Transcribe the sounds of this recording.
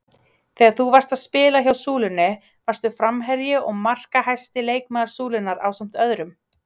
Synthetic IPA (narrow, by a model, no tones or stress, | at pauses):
θɛːɣaɾθuvar̥st̪aðspɪːlaçawsuːlʏnːɪ | vḁst̪ʏfɾamɦɛɾjɪʔɔɣmar̥kaɦajst̪ɪleːjk̚maðaɾ̥suːlɪnːaɾa̰ːwsam̥t̪œðɾʏm